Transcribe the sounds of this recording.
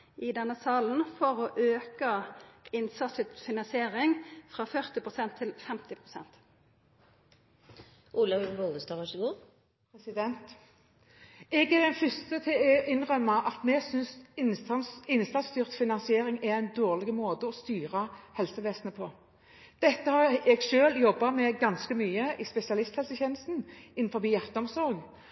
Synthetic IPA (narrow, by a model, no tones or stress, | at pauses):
ʔɪd̪ɛnːəsɑːln̩fɔʁɔʔøːkəɪnsɑsɪt̪fɪnɑnsɪeːʁɪŋfʁɑːfœʁt̪ɪpʰʁʊsɛnt̪ʰːɪlfɛmt̪ɪpʰʁʊsɛ̰nt̪ | ʔuːlɑɡɔld̪əst̪ɑːʁɑʃəɡoːʁ | pʁɛsɪd̪ɛnt̪ | ɛɡɛd̪ɛnfʏst̪ət̪ʰɪɪnʁœmːɑʔɑt̪mɛɡsʏns | ɪnst̪ɑnst̪yːʁt̪fɪnɑnsɪeːʁɪŋɛænd̪oːʁlɪɡəmoːd̪əɔst̪yːʁəhɛlsəʋeːsənəpʰɔ | d̪̥ɛt̪ːəhɑɛɡʃøːljɔbːɑmɛɡɑnskəmyːəɪspɛsɪɑlɪst̪hɛlsəçeːnəst̪n̩ɪnn̩fɔbiːjæʁt̪əɔmsɔɾɡ